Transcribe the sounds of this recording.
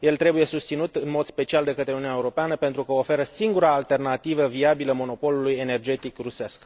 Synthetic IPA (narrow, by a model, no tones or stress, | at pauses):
je̞lt̪ɾe̞buje̞sust̪sinut̪ɨnmo̞d̪spe̞t͡ʃiald̪e̞kət̪ɾeuniunjaeuɾo̞peanəpent̪ɾukəofe̞ɾəsiŋɡuɾaːlt̪e̞rnat̪ivəviabiləmo̞no̞po̞luluje̞ne̞rd͡ʒe̞t̪ikrusesk